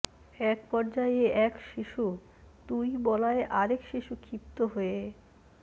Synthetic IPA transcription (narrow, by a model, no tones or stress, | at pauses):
ɛk̚pɔɾd͡ʑajeʔɛkʃiʃu | d̪ujbɔlaeʔaɾekʃiʃukʰipt̪oɦoe